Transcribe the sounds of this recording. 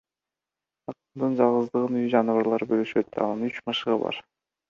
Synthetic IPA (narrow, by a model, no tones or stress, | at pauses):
ɑt̪nd̪ɯnd͡ʒɑlˠʁɯzd̪ɯʁɯnyjd͡ʒɑnɯvɑɾlˠɑɾbølyʃøt̪ɑ̰nɑnyt͡ʃmɑʃɯʁɯbɑ̰ɾ